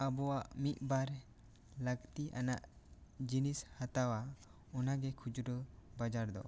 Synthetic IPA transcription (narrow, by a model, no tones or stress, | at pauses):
əbɔwaʔmit̪̚ˀbaɾ | ləɡt̪iʔanaʔd͡ʒinishat̪awa | ɔnaɡɛkʰud͡ʒɾɔbad͡ʒaɾd̪ɔ̰